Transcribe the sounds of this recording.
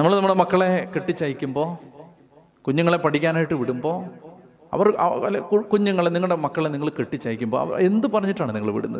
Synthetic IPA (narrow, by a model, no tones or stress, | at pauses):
nɐmːɐɭnɐmːɐɭɐmɐkːɐɭe̞keʈːit͡ɕːɐjikʲːumbo̞ː | kuɲːuŋːɐɭe̞pɐʈikʲːaːnaːjiʈːɨʋiɽumbo̞ː | ɐ̰ʋɐrɐ̰ɐlkukuɲːuŋːɐɭeniŋːɐɭɽemɐkːɐɭeniŋːɐɭkeʈːit͡ɕːɐjikʲːumbo̞̰ɐ̰e̞nd̪upɐrɐɲːiʈːaːɳɨniŋːɐɭʋḭɽunːɐ̰ðɨ